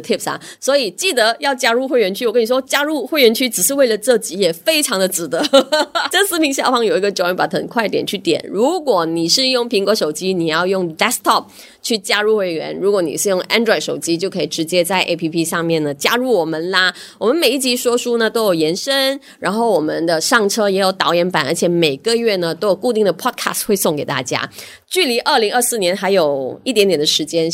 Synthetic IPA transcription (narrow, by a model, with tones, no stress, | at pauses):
t̪ʰi˥˩p̚sa̰˨˩swɔ˧˥i˨˩t͡ɕi˥˩d̪ə˧˦jɑ˥˩ʊt͡ɕja˥ɻu˥˧xwe˥˩ɪɥɛ˧˥nt͡ɕʰy˥˩˨kə˥ni˨˩ʂwɔ˥t͡ɕja˥ɻu˥˧xwe˥˩ɪɥɛ˧˥nt͡ɕʰy˥˩ʈ͡ʂ̩˨˩ʂɻ̩˥˧we˥˩ɪlə˩ʈ͡ʂɤ˥˩t͡ɕi˧˥jɛ˨˩fe˥ɪʈ͡ʂʰɑ˧˥ŋd̪ə˧t͡sɹ̩˨˩t̪ə˧˦ʈ͡ʂə˥˩sɹ̩˥mʰi˧˥ŋɕjɑ˥˩ʊfɑ˥ŋjo˨˩ʊi˧˥ɡə˧ʈ͡ʂɻɛ˧˥pa˨˩tʰə˨˩nkʰwa˥˩ɪət̪jɛ˨˩nt͡ɕʰy˥˩t̪jɛ̰˨˩˦nɻu˧˥kwɔ˨˩ni˨˩ʂɻ̩˥˧jʊ˥˩ŋpʰi˧˥ŋkwɔ˧˥ʂo˨˩ʊt͡ɕi˥ni˨˩jɑ˥˧ʊjʊ˥˩ŋd̪ɛ˥st̪ʰɔ˥˩p̚ | t͡ɕʰy˥˩t͡ɕja˥ɻu˥˩xwe˧˥ɪɥɛ̰˧˥nɻu˧˥kwɔ˧˥nḭ˨˩ʂɻ̩˥˧jʊ˥˩ŋʔa̰˥nd̪ɹɔ˥˩ɪʂo˨˩ʊt͡ɕi˥t͡ɕjo˥˩ʊkʰɤ˧˥i˨˩ʈ͡ʂɻ̩˧˥t͡ɕjɛ˥t͡sa˥˩ɪʔḛ˥ɪpʰi˥pʰi˥ʂɑ˥˧ŋmjɛ˥˩nə˩t͡ɕja˥ɻu˥˩wɔ˨˩mə˧˦nlɐ˧wɔ˨˩mə˦nme˨˩ɪi˥˩t͡ɕi˧˥ʂwɔ˥ʂu˥nə˨t̪o˥ʊjo˨˩ʊjɛ˧˥nʂə˥n | ɻa˧˥nxo˥˩ʊwɔ˨˩mə˦nd̪ə˧ʂɑ˥˩ŋʈ͡ʂʰɤ˥jɛ˧˥jo˨˩ʊt̪ɑ˧˥ʊjɛ˧˥npa˨˩nə˞˧˥t͡ɕʰjɛ˨˧˥me˨˩ɪɡə˧ɥɛ˥˩nə˩t̪o˥ʊjo˨˩ʊku˥˧t̪i˥˩ŋd̪ə˩pʰɔ˥kʰa̰˥˩stwe˥˧ɪsʊ˥˩ŋke˨˩ɪt̪a̰˥˩t͡ɕja̰˥ | t͡ɕy˥˩li˧˥ʔə˞˥˩li˧˥ŋə˥˧sɹ̩˥˩njɛ˧˥nxa˧˥ɪjo˨˩ʊi˥˩t̪jɛ˧˥nt̪jɛ˨˩nd̪ə˦ʂɻ̩˧˥t͡ɕjɛ˥n